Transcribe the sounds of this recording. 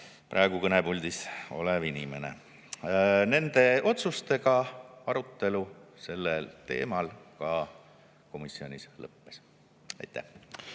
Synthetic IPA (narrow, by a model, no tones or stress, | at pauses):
prʔɑˑeɡ̥ukɤnebulʲd̪iso̞̰levinʲime̞ne̞̰ | ne̞nd̪e̞ʔo̞t̪sust̪e̞ɡɑɑɾut̪ːe̞luse̞lːelt̪e̞̰ːmɑlkɑ | ko̞misːio̞nʲislɤ̰pːes | ɑjt̪ːˑæ̰h